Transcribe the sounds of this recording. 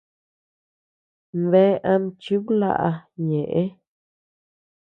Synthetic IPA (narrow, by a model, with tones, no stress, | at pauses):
mβe˦ʔã˧m˦t͡ʃu˦βla̰˦ʔa˧ɲẽ˨ʔe˦